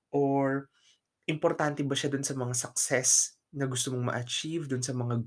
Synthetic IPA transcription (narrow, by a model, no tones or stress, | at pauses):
ʔoɹ | ʔɪmpoɾt̪ant̪ɛbɐʃad̪ʊnsɐmɐŋasɐk̚sɛs | nɐɡʊst̪omoŋmɐ̰ʔɐt͡ʃivd̪ʊnsɐmɐŋaɡ